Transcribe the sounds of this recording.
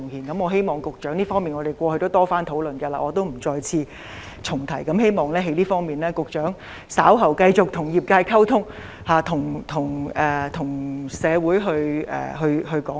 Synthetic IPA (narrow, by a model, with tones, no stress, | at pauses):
ŋhiː˨˩nkɐ˨˥mɔː˨˧ɦe˥jmɔː˨ŋkʊ˨k̚t͡ʃœː˨˥ŋliː˥fɔː˥ŋmiː˨˩nŋɔː˨˧t̪e˨˩jkʷɔː˧hɵ˧jt̪o˥wt̪ɔː˥faː˥nt̪ʰo˨˥wlɵ˨nɡɐ˧la̰ː˧ʔɔː˨˧t̪̬o˥wm̩˨˩t͡sɔː˧jt͡sʰiː˧ | t͡sʰʊ˨˩ŋt̪ʰɐ˨˩jkɐ˨˦˥mɦe˥jmɔː˨ŋlɛː˥ɦe˨˥jliː˥fɔː˥ŋmiː˨nlɛː˥kʊ˨k̚t͡ʃœː˨˥ŋ | saː˨˥wɦɐ˨˩wkɐ˧jt͡sʊ˨k̚t̪ʰʊ˨˩ŋjiː˨p̚kaː˧jkʰɐ˥wt̪ʰʊ˥ŋ | haː˨˧t̪ʰʊ˨˩ŋt̪ʰʊ˨˩ŋɛː˨˩t̪ʰʊ˨˩ŋsɛː˨˧wuː˨˥jɦɵ˧ɥɛ̰ː˨ɦɵ˧ɥɦɵ˧ɥkɔː˨˥